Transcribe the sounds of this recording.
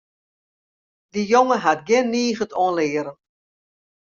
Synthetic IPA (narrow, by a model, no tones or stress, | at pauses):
dijoŋəɦatɡɪnːiːɣətʰɔənlɪːəɾə